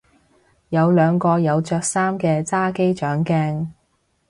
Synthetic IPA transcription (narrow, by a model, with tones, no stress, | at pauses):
jɐ˨˧wlœː˨˧ŋkɔː˧jɐ˨˧wt͡ʃœː˧k̚saː˥mkɛː˧t͡saː˥ke˥jt͡ʃœː˨˥ŋkɛː˥ŋ